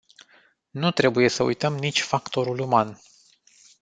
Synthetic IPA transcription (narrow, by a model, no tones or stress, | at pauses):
nut̪ɾe̞buje̞səṵjt̪əmnit͡ʃʲfakt̪o̞ɾuluman